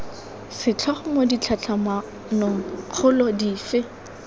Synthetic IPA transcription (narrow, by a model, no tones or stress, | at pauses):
sɪt͡ɬʰaχʊmodit͡ɬʰat͡ɬʰama | nʊŋ̩q͡χʰʊlɔdiːfɪ